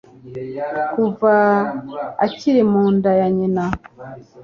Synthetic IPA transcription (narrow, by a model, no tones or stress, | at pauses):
kuva | a̰ciɾemuːndajaɲena